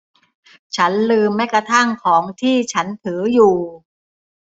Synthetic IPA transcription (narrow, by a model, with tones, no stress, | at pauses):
t͡ɕʰa˦˥nlɯː˧mːa˦˥jkɾa˧t̪ʰa˥˩ŋkʰɔː˩˦ŋt̪ʰiː˥˩t͡ɕʰa˦˥nt̪ʰɯː˩˦juː˨˩